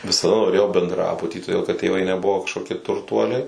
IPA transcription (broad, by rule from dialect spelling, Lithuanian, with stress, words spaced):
ʋʲɪsɐˈdɐ noːˈrʲeːjɛʊ bʲɛndˈrɑːbʊtʲiː toːdʲeːlˠ kɐt tʲeːˈʋɐɪ nʲɛˈbʊʋoː kɐʃkoːˈkʲiɛ tʊrˈtuɔlʲɛɪ